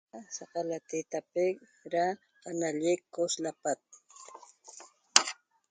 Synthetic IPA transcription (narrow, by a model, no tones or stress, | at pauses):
sɑqalat̪it̪apɪk | ɾa | qanaʎɪkːoslapat̪̚